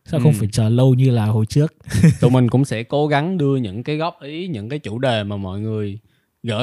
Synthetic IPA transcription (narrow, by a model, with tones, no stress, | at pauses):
sa̰ː˧˦xxə˧wfaː˧˩jt͡ɕəː˨˩lə˧wɲɨ˧laː˨˩ho˨˩jt͡ɕɨ˦˥ək̚t̪u˨˩mï˨˩ŋ̟kʊ̰˧˥ŋ͡msɛ̰˧˥ko˨˦ɣa˨˦ŋɗɨ˧əɲɨ̰˧˥ŋkaː˨˦jɣɔ˦˥p̚ʔi˨˦ɲɨ̰˧˥ŋkaː˨˦jt͡ɕu˧˩ɗe˨˩maː˨˩mɔ̰˧˨jŋɨ˨˩əj | ɣə̰ː˧˥